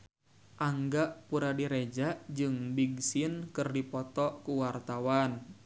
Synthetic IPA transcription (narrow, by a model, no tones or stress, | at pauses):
ʔaŋɡaʔpuɾadiɾed͡ʒad͡ʒɨŋbiɡsinkɨrdipɔt̪ɔkuwart̪awan